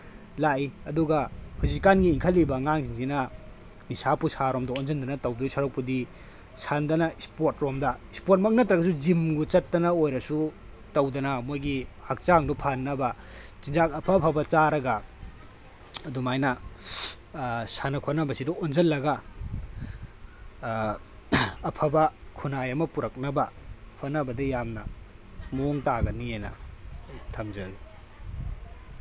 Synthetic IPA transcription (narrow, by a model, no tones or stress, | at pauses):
lajɐduɡɐhuzikanɡiːŋkʰɐlːibɐŋaŋsiŋzinɐ | nisapusaɾomdɐonzɐnd̪ɐnɐtɐwdusaɾok̚pudi | sandɐnɐispoɾtɾomdɐispoɾt̚mɐk̚nɐt̪ɾɐɡɐs̬ud͡ʒimɡut͡ʃɐtːɐnɐojɾɐsu | tɐwdɐnɐmojɡihak̚t͡ʃaŋdupʰanːɐbɐ | t͡ʃind͡ʒak̚ɐpʰɐpʰabɐt͡ʃaɾɐɡa | ɐdumajnɐ | sanɐkʰonɐbɐsidɔond͡ʒɐlːɐɡɐ | pʰɐbɐkʰunajɐmɐpuɾɐk̚nɐbɐpʰonɐbɐdɐjamnɐ | moŋtaɡɐnienɐ̰ | tʰɐmd͡ʒɐɡi